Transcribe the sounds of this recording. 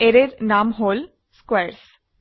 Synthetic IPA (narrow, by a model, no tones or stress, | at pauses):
eɾeɾnaːmɦoːl | skweːɾs